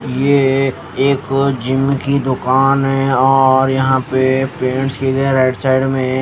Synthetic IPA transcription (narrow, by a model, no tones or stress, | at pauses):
je | eːkd͡ʒɪmːkid̪ʊkaːnɦɛ̃ɔːɾjɐɦãpepẽːɳʈskieɡɐeɾaːɪʈsaːɪɖmẽ